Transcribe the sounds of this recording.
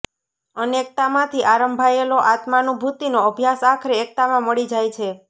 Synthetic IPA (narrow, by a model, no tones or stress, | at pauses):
ənek̚t̪amãt̪ʰiʔaɾəmbʱajeloʔat̪manũbʱut̪inoəbʱjasakʰɾeːk̚t̪amãməɭid͡ʒajt͡ʃʰe